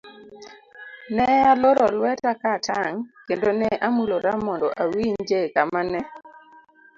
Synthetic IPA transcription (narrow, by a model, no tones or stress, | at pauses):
nɛaloɾɔlwɛtakatʰaŋkendonɛʔamuloɾamɔndɔʔawiɲd͡ʒekamanɛ